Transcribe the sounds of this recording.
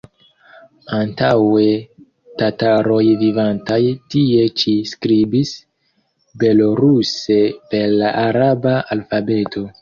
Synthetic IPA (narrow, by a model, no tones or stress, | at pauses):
antawe̞ | tataɾo̞jvivantajtie̞t͡ʃiskɾibis | be̞loɾuse̞pe̞ɾlaʔaɾabaalfabe̞to̞